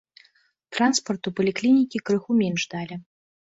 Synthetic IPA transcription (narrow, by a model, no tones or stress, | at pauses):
t̪ɾanspɐrt̪upɐlʲiklʲinʲikʲikɾɨxumʲɛnʐd̪alʲɛ